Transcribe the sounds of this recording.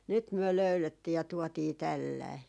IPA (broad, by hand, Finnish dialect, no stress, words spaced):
nyt myø løyletːiː jɑ tuɔtiː tælːɑi